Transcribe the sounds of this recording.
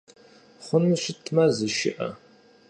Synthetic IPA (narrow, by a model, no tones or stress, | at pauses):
χʷʊnɨɕɪtʰmɐzɨʃɪ̰ʔɐ̰